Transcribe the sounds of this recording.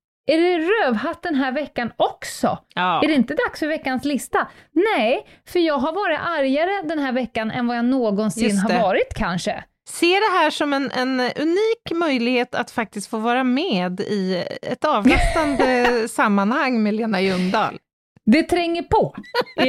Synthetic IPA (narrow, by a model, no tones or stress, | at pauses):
æɖɛɾøːvhat̪̚d̪ɛnɦæːɾvɛkːanɔksɔ̰æɖɛɪnt̪əd̪aksfœɾvɛkːanslɪst̪anɛ | fœɾjɑːɡɦaɾvɑːɾɪt̪aɾjaɾəd̪ɛnɦæːɾvɛkːanʔɛ̰nvajanoːɡɔnsɪnːɦaɾvɑːɾɪt̪kʰanʂə̰ | seːɖɛɦæːʂɔmɛnʔɛ̰nɵ̰niːkmœjlɪɡheːt̪a̰t̪fak̚t̪ɪst̪foːvɑːɾameːd̪ɪɛ̰t̪ɑːvɾɛt̪and̪əsamːanhaŋːmɛleːnajɵnd̪ɑ̰ːl | d̪ɛt̪ʰɾɛŋːəpʰɔ